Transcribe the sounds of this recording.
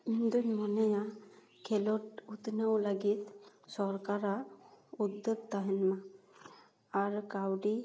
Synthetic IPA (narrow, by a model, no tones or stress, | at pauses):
ind̪uɲmɔnaja | kʰɛlɔʈut̪nəwləɡit̪sɔɾkaɾaud̪ːəɡ̚t̪aɦɛnma | aɾkawɖi